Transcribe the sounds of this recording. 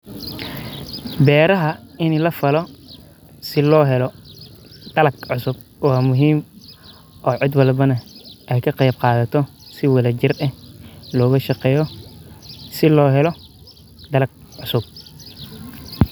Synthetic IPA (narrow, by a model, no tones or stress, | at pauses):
bɛːɾɐɦɐɪnlɐfɐlɔ | sɪlɔːɦɛlɔ | d̪̥ɐlɐɡʕʊsʊb̚ | waːmʊɦiːm | ʔɔːʕɪd̪wɐlbɐnɐʔɛjkʰɐqɑjb̚qɑːðɐt̪ʰɔ | sɪwɐlɐt͡ʃɪrɐlɔːɣɐʃɑqɛːjɔ | sɪlɔːɦɛlɔ | d̪ɐlɐɡ̚ | ʕʊsʊb̚